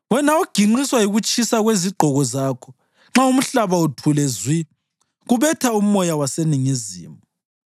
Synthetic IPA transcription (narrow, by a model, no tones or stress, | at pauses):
wɛnauɡ̥ʱiŋ͡ǀiswaiɣut͡ʃʼisaɣweziɡ͡ǃʱɔɣɔzaːkʰɔ̥ | ŋ͡ǁaum̩ɬaβautʰulɛzwi | ɣuβɛtʰaumɔjawaseniŋizḭːmɔ